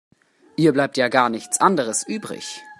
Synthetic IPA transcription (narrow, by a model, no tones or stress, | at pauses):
ʔiːɐblaɪp̚tjaːɡaːɐnɪçt͡sʔandəʁ̞əsʔyːbʁɪ̰ç